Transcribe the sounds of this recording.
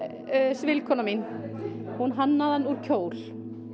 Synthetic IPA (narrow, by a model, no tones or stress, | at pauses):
svɪlkʰɔnaminhunɦanːaðanuɾ̥cʰoːwl